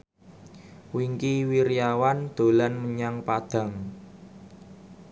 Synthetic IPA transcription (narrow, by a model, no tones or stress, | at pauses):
wiŋkiwiɾijawand̪̥o̤lanməɲaŋpad̪̥ä̤ŋ